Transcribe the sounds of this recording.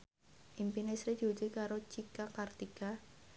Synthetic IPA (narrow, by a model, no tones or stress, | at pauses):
ʔimpinesɾidd͡ʒ̥od͡ʒikaɾot͡ʃikakart̪ika